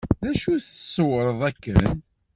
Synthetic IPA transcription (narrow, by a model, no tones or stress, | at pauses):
ðæʃuθsˤəwɾˤəðˤækːə̰n